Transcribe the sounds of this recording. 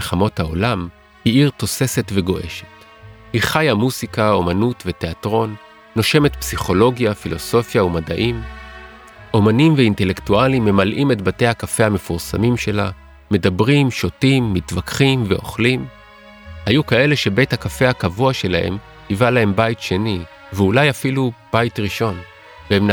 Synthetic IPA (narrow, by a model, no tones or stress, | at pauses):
lχamo̞thao̞lam | hiiʁto̞se̞se̞tve̞ɡo̞ʔe̞̰ʃe̥t | hiχajamuzikao̞manutvete̞atʁo̞nː | o̞ʃe̞me̞tpsiχo̞lo̞ɡjafilo̞so̞fjaumadaʔim | ʔo̞manimveinte̞le̞ktualimːe̞malʔime̞tbate̞jhakafe̞hame̞fuʁsa̰mimʃe̞la | me̞dabʁimʃo̞timːitvakχimveʔo̞̰χlim | hajukae̞le̞ʃe̞be̞jthakafe̞hakavuaʃe̞lahe̞̰m | tivalahe̞mbajitʃe̞ni | veulajafilub̥ajitʁiʃo̞n | veemn